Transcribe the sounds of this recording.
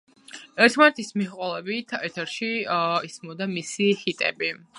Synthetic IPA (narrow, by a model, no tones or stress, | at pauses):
ɛɾt̪ʰmanɛt̪ʰismiχqʼɛlˠɛbit̪ʰɛɾt̪ʰɛɾʃiismɔd̪amisihit̪ʼɛ̰bi